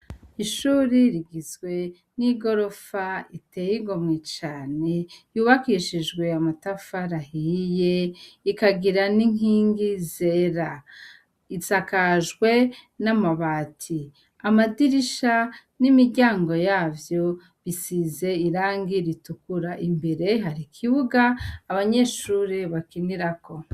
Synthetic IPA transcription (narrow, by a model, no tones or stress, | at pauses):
iʃuːɾiɾiɡizɡwe̞ | niɡo̞ɾo̞faite̞ːjiɡo̞mŋet͡ʃaːne̞juːβakiʃiʒɡwe̞amatafaɾahije̞ikaɡiɾaniŋ̥iːŋɡizeːɾa | izakaʒɡwe̞namaβaːtʰi | amadiɾiʃa | nimiɾɟaːŋɡo̞jaːvjo̞ | βisize̞iɾaːŋɡiɾitukuɾaʔimbeɾe̞ɦaɾikʰiβuɡaːβaɲeːʃuɾeβakiniɾako̞